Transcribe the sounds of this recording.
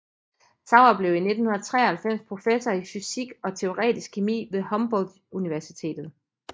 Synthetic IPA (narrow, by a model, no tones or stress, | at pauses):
sʰɑ̈ʊɐb̥le̝ʊ̰ine̝d̥n̩hunɐt͡sʰʁɛ̰ːɐhælfem̰spʰʁo̝fesɒifysiɡ̥ɒ̽t͡sʰe̝o̝ʁɛ̰ːd̥isɡ̥̚kʰemḭːʋe̝hɒ̽mb̥ɒ̽l̰d̥ | uniʋæɐsit͡sʰe̝̰ːd̥ð̞̩ˠ